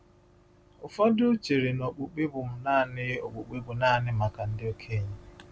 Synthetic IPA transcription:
ʊ˨fɔ˦dʊ˦t͡ʃe˨ɾe˨no˨k͡pu˨k͡pe˦bʊ˨m̩˦naː˦˨nɪ˦o˨k͡pu˨k͡pe˦bʊ˨na˦˨nɪ˦ma˨ka˨n̩˦dɪ˦o˨kʰe˦˨ɲe˦

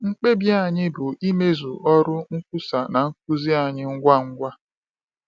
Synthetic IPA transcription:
ŋ͡m̩˦k͡pe˦bja˦a˨ɲɪ˦bʊ˨i˦me˦zu˨ʔɔ˦ɾʊ˦ŋ̩˦kʷʊ˦sa˨na˨ŋ̩˦k̚u˦zi˦a˨ɲɪ˦ŋ̩˦ɡʷa˦ŋ̩˦ɡʷa˦

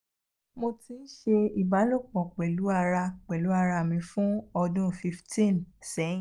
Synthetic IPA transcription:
mo˧ti˨˧n̩˦ʃe˧i˨ba˨˦lo˦˨k͡pɔ̃˨k͡pɛ˨lu˨˦a˧ɾa˧k͡pɛ˨lu˨˦a˦˧ɾa˧mĩ˧fũ˦ɔ˧dũ˦˨fi˧ftĩ˦˨nsɛ̃˨˦˨

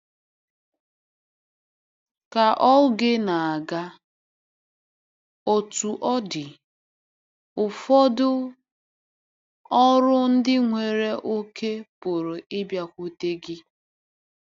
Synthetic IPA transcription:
ka˨ʔɔ˦ɡɪ˦na˨a˨ɡa˦ | o˨tu˨ʔɔ˦dɪ˨ | ʊ˨fɔ˦dʊ˦ | ɔ˦ɾʊ˦n̩˦dɪ˦ŋʷe˨ɾe˦ʔo˦kʰe˦pʊ˨ɾʊ˨ɪ˦bja˦kʷu˦te˦ɡɪ˦

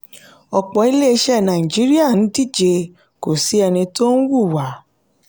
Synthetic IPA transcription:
ɔ˨k͡pɔ˨˦i˧le˦˧ʃɛ˦˨nã˨ĩ˨d͡ʒi˨˦ɾi˦a˦˨ñ̩˨˦di˦˨d͡ʒe˧ | ko˨si˨˦ɛ˧nĩ˧to˦n̩˦wu˦˨wa˨˦

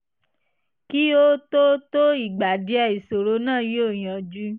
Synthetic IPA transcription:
ki˦o˦to˦to˦i˦˨ɡ͡ba˨di˨˦ɛ˧i˨so˨ɾo˧˦nãː˦˨ji˦o˦˨j̃ã˧d͡ʒu˦

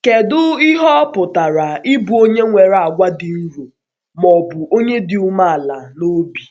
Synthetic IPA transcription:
ke˨dʊ˦i˦ɦɔ˦pʊ˨ta˨ɾa˨ɪ˦bu˨o˦ɲe˦ŋʷe˨ɾa˨ɡʷa˦dɪ˨n̩˦ɾu˨ | mɔ˨bʊ˨ʔo˦ɲe˦dɪ˨u˦ma˦a˨la˨no˦bi˨

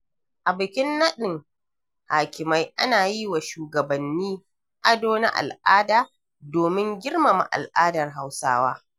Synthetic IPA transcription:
ʔa˨bʊ˨kʲɪ˦nːɐ˦ɗɪ˨ŋ | haː˨kʲɪ˨ma˦jʔa̰˦naː˨jiː˦wa˨ʃuː˨ɡɐ˨bɐ˨nːiː˦ | ʔa˦doː˦na̰˦ʔa̰˨lʔaː˦daː˨ | doː˨mɪ˦ŋɡʲɪ˦rma˨ma̰˨ʔa̰˨lʔaː˦dɐ˨rɦa˦wsa̰ː˦waː˦

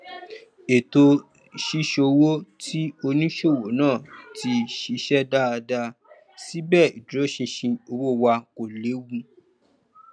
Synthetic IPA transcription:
e˨to˧ | ʃi˧ʃo˧wo˦tʰi˦o˧nĩ˦ʃo˦˨wo˨˦nãː˦˨ti˧ʃi˧ʃɛ˦da˦a˧da˧ | si˦bɛ˦˨ḭ˨dɾo˨˦ʃĩ˧ʃĩ˧o˧wo˦wa˧ko˨le˨˦wũ˧

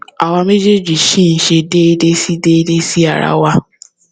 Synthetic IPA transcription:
a˨wa˧me˦d͡ʒe˦d͡ʒi˨ʃĩ˦n̩˨ʃe˧de˦de˦si˦de˦de˦si˦a˨ɾa̰˦wa˦

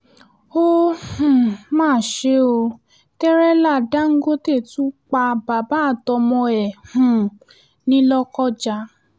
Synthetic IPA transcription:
o˦hũ˨mãː˦˨ʃe˨˦o˧ | tɛ˦ɾɛ˦la˦˨da˨˦ŋ̩˦ɡo˦te˦˨tũ˨˦k͡pa˧ba˨ba˨˦˨tɔ˧mɔ̃˧ɛ˨hũ˨ | nĩ˦lɔ˧kɔ˦˨d͡ʒa˧

